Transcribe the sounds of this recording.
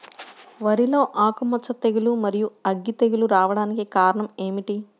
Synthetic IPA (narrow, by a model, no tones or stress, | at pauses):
ʋɐɾilo̞ːʔaːkumɐt͡ʃːɐt̪eɡilumɐɾijuɐɡːit̪eɡiluɾaːʋɐɽaːnikikaːɾɐɳɐme̞ːmiʈi